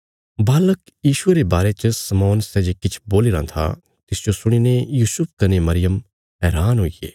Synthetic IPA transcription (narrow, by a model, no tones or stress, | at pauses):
baːlək | jiːʃʊeɾebaːɾet͡ʃsɐmɔːnsɛːd͡ʒekɪt͡ʃʰboːlɪɾã̰t̪ʰa̰ | t̪ɪsd͡ʒosʊɽ̃inejuːsʊp̚ʰkɐnemɐɾɪjəm | ɦɛːɾaːnɦoːijḛː